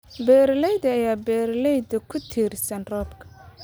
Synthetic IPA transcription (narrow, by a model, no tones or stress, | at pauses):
bɛːɾlɛjd̪ɐɐjaːbɛːɾlɛjd̪ɐkʰʊt̪ʰiːrsɐnrɔːbkʰɐ̥